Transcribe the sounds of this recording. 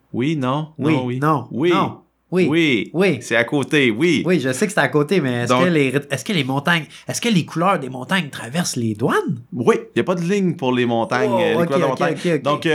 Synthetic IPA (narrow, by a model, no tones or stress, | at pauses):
winɔ̃wiinɔ̃winɔ̃ | wiwiwisɛakoːt̪ewiwiʒəsekse̥t̪ɛakoːt̪emɛɛskəleʁɛskʲəlemɔ̃t̪aɲɛskʲəlekʰulœːʁd̪emɔ̃t̪aɲt̪χavɛʁsled̪wanwijapʌd̪əlɪɲpʊʁlemɔ̃ːt̪aɲlokued̪ɔ̃t̪aokʲeokd̪ɔẽk